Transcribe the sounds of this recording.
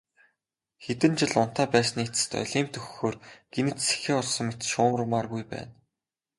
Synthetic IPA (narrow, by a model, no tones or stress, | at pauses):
xet̪ɘ̆nt͡ɕɪ̆ɮʊn̥t̪aːpæːsniːt͡sɘ̥̆t̪œ̰ɮʲiːmt̪ʰɵxxːoːrɡ̥enɘ̆t̪se̥xeːɔɮsɞ̆ŋmet̪ʃʊːmrmarɣujpæ̰ːn